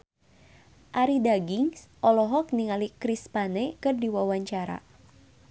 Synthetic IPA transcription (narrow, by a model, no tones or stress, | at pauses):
ʔaɾidaɡiŋsʔɔlɔɦɔk̚niŋalikɾispanɛkɨrdiwawaɲt͡ʃaɾa̰